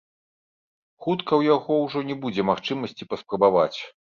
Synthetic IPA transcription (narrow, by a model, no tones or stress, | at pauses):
xut̪kɐwjaɣɔwʐɔnʲɛbud͡zʲɛmaxt͡ʂɨmɐsʲt͡sʲipɐspɾɐbavat͡sʲ